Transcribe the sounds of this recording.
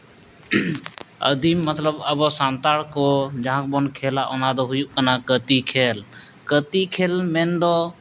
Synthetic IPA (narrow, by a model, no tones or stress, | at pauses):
ə̰d̪iːmːət̪ləbəboːsaːnt̪aːɽkoːd͡ʒəɦãk̚bonkʰeːlaːʔonaːd̪oɦʊjuʔkənaːkət̪ikʰeːl | kət̪ikʰeːlmẽːnd̪oː